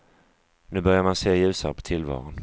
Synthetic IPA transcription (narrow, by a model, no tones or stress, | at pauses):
nʉ̟ːbœɾjaɾmanseːjʉ̟ːsaɾpʰɔ̥t̪ʰɪlvɑ̰ːɾʊn